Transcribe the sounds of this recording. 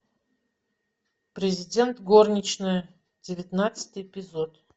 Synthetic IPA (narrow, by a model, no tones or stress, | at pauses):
pɾʲɪzʲɪdʲe̞nt̪ɡornʲɪt͡ɕnɨjə | dʲɪvʲɪt̪nat̪sɨ̥t̪ʲɨjɪpʲɪzot̪